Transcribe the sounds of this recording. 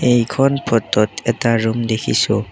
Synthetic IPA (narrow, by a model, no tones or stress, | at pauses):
ejkʰɔnpʰɔtɔtɛtaɹumdekʰisu